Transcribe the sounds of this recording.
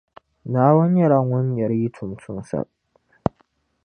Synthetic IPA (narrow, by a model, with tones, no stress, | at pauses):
naː˦wɐ˦ɲjɐ˦ɾa˨ŋwʊ˦ɲ˦jɐ˨ɾji˦tʰʊ˨mtʰʊ˦nsa̰˦˨ʔ